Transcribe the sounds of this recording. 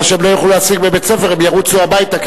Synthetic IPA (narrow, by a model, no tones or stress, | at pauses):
ʃemlojaχluat͡siɡbebet͡sefeʁimjaʁut͡suabajit̪ak